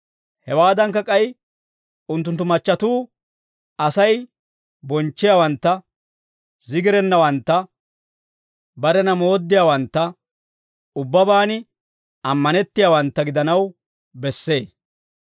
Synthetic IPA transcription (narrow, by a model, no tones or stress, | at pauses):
hɛwaːd̪ɐŋkːɐkʼɐj | ʊnt̪ːʊnt̪ːʊmɐt͡ʃːɐt̪uː | ɐsɐj | bɔnt͡ʃːɪjaːwɐnt̪ːɐ | zɪɡɪɾɛnːɐwɐnt̪ːɐ | bɐɾɛnɐmo̞ːd̪ːɪjaːwɐnt̪ːɐ | ʊbːɐbaːnɪ | ɐmːɐnɛt̪ːɪjaːwɐnt̪ːɐɡɪd̪ɐnɐw | bɛsːe̞ː